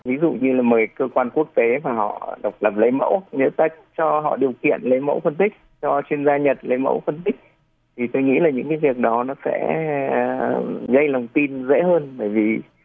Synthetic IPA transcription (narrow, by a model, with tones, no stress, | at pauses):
vi˨˦zṵ˧˨ɲɨ˧laː˨˩məː˨˩jkəː˧kwaː˧nku˦˥ək̚t̪e˨˦vaː˨˩ɦɔ̰˧˨ɗə˨˩wk͡p̚lə˨˩p̚lə˨˦jmə̰˧˥wɲə̰˧˥t̪a˨˥˩jk̚t͡ɕɔ˧ɦɔ̰˧˨ɗi˨˩əwkḭ˧˨ənlə˨˦jmə̰˧˥wfə˧nt̪ï˦˥k̚t͡ɕɔ˧t͡ɕwi˧ənzaː˧ɲə˨˩t̚lə˨˦jmə̰˧˥wfə˧nt̪ï˦˥k̟̚ | t̪ʰi˨˩t̪o˧jŋḭ˧˥laː˨˩ɲɨ̰˧˥ŋkaː˨˦jvi˨˩ək̚ɗɔ˨˦nɔ˨˦sɛ̰˧˥˨ | ɣə˧jlə˨˩wŋ͡mt̪i˧nzḛ˧˥ɦəː˧nɓəː˧˩jvi˨˩